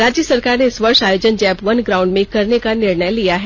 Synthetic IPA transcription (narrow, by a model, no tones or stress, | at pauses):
ɾaːd͡ʒjəsɐɾkaːɾneɪsʋɐɾʃaːjoːd͡ʒənd͡ʒɛːpʋɐnɡɾaːʊ̃ɳɖmẽkɐɾnekanɪɾɳəjlijaɦɛ